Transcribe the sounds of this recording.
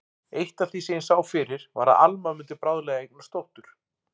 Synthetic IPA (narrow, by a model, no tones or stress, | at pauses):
ejht̪ḁθiseɪnsaːwfɪɾɪɾ̥va̰ɾa̰ʔalmamʏnt̪̬ɪpɾawðlɛɣaejknnast̪owht̪ʏɾ̥